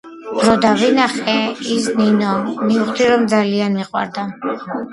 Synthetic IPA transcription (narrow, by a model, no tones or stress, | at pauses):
ɾɔd̪avinaχɛisninɔmiuχt̪ʰiɾɔmd̪zalianmiqʼwa̰ɾd̪a